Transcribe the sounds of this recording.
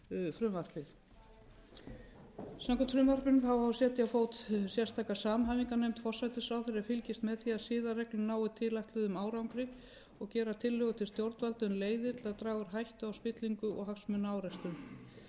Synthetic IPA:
fɾʏmvar̥pɪθ | saŋkʰʏt̪fɾʏmvar̥pɪnθawavsjɛːt̪ɪafoːwt̪sjɛr̥st̪ʰaːkasaːmɦaːviŋkanejmt̪fɔr̥sajt̪ɪsaːwθeɾɪafɪlcɪst̪mɛðθiaðsɪːðarɛklʏmnaːwɪt̪ʰɪlajht̪lʏðʏmaːwɾawŋkɾɪ | ɔɣcɛːɾat̪ʰɪlːœɣʏt̪ʰɪlst̪jowɾt̪valt̪ʏnleːjðɪ̥t̪ʰɪlaðt̪ɾaːɣʏɾ̥ɦajht̪ʏawspɪt̪liŋkʏʔɔ̰ɣɦaksmʏnaːwɾɛst̪ʏm

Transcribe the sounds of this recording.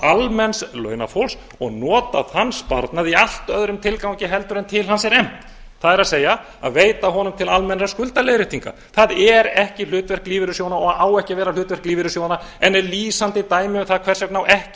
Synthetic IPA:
almɛnslœ̰ːɥna̰fowls | ɔ̰ɣnɔːt̪a̰ðhanspa̰ɾt̪naðial̥t̪œðɾʏmt̪ʰɪlkawɲcɪɦɛlt̪ʏɾɛnt̪ʰɪlhansɛɾɛm̥t̪ | θaðɛɾaðseːja | a̰ðveːjt̪aɦɔnʏmt̪ʰɪlalmɛnɾaskʏlt̪alejɾɪht̪iŋka̰ | θaðɛɾɛhcɪl̥ʏːt̪vɛr̥kliːvɪɾʏsjoːwnaɔɣaðaːwɛhcɪvɛːɾalʏːt̪vɛr̥kliːvɪɾʏsjownaɛnːɛɾliːsant̪ɪt̪aːjmɪvɪθaðkʰvɛr̥sjɛknawʔɛhcɪ

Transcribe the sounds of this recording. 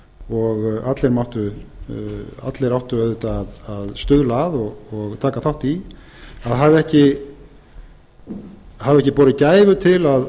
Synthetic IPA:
ɔɣat̪lejɾmawht̪ʏ | a̰t̪lejɾawht̪ʏœðʏt̪aːðaðst̪ʏðlaːðɔɣɔɣt̪ʰaːkaθawht̪i | aðɦavɛhcɪ | havɛhcɪpɔːɾɪcaːjvʏt̪ʰɪlað

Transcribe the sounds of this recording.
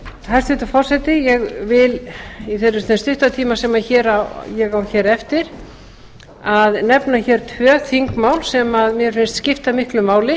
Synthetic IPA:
hast̪vɪt̪afɔr̥sɛt̪ɪjɛɣvɪliθɛrːʏθɛnst̪ʏht̪at̪ʰiːmasɛmaçɛːɾajɛɣawçɛːɾɛft̪ɪɾ̥ | aðnɛpnaçɛɾt̪ʰœːθiŋkmaːwlsɛmaðmjɛɾfɪnst̪scɪft̪amɪhklʏmaːwlɪ

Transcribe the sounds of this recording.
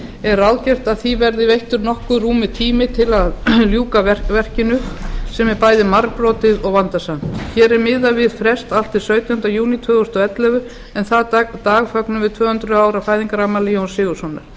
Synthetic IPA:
ɛɾawðcɛr̥t̪aðθivɛɾðɪvejht̪ʏɾnɔhkʏruːmɪt̪ʰiːmɪt̪ʰɪlaðljuːkaɛvɛr̥cɪnʏsɛmɛɾpaːjðɪmaɾpɾɔːt̪ɪðɔɣvant̪asan̥t̪çɛːɾɛɾmɪðavɪðfɾɛst̪al̥t̪ɪðsœːɥt̪jahʏnt̪ajuːnit̪ʰvœːɣʏst̪ʏɛt̪lɛvʏ | ɛnθat̪aːɣfœknʏvɪðt̪ʰvœːhʏnt̪ɾʏaːwɾafaːjðiŋkaɾamːalijownsɪːɣʏsɔnːʏ̰ɾ̥

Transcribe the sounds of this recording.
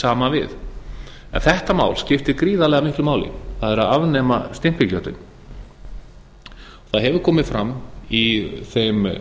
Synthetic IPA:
saːmavɪ̰ð | ɛ̰nθɛht̪ama̰ːwlscɪft̪ɪɾkɾiːðalɛːɣamɪhklʏmaːwlɪ̰θaðɛɾaðavnɛːmast̪ɪm̥pɪcœt̪ʏ̰n | ɔθaðɦɛvʏɾkʰɔːmɪðfɾamːiθejm

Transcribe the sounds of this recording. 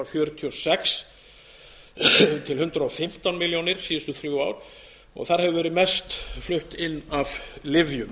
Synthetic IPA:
awfjœːɾʏt̪ʰiɔsɛks | t̪ʰɪlhʏnt̪ɾaɔfɪm̥t̪anmɪljonɪɾ̥siːjʏst̪ʏθɾjuwaːwɾ̥ | ɔ̰ɣθaɾ̥hɛvʏvɛːɾɪmɛst̪flʏht̪ɪnːavlɪvjʏm

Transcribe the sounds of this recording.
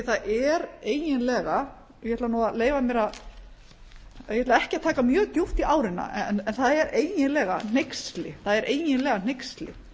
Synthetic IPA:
θaðɛɾeːjjɪnlɛːɣa | jɛhɛt̪lanuːaðleːjvamjɛɾað | jɛhɛt̪laɛhcɪat̪ʰaːkamjœːɣt̪jowht̪iaːwɾɪnːa̰ɛ̰nɛnθaðɛɾeːjjɪnlɛːɣa̰n̥ejkst̪lɪθaðɛɾʔeːjjɪnlɛːɣan̥ejkst̪lɪ̰

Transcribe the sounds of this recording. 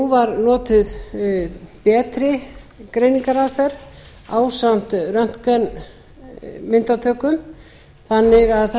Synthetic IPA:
uvaɾnɔːt̪ɪð | pɛːt̪ɾɪkɾejniŋkaɾaðfɛɾð | aːwsam̥t̪rœn̥t̪kɛn | mɪnt̪at̪ʰœːkʏm | θanːɪɣaðθ

